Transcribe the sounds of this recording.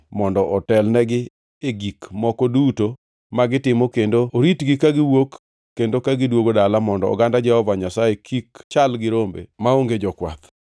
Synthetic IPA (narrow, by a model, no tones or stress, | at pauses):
mɔndɔʔɔtɛlnɛɡɪ | eɡikmɔkɔduto | maɡɪtɪmɔkendooɾitɡɪkaɡɪwokː | endokaɡɪdwoɡodalamɔndɔɔ̰ɡandad͡ʒɛhɔvaɲasaekʰikt͡ʃalɡɪɾombḛmaoŋɡed͡ʒɔkwa̰k